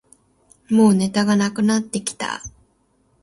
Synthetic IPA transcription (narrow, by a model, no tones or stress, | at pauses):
mo̞ːne̞t̪aɡanakɯ̟nat̪ːe̞kʲi̥t̪a̰